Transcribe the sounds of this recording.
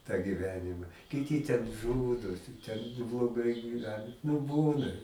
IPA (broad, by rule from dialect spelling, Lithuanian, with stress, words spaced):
tɑː ɡʲɪˈʋʲæːnʲɪmɐ kʲɪˈtʲɪ tʲɛn ˈʒuːdoːsʲɪ tʲɛn nʊ blˠoːˈɡɐɪ ɡʲiːˈʋʲæːnɐ nʊ ˈbuːnɐ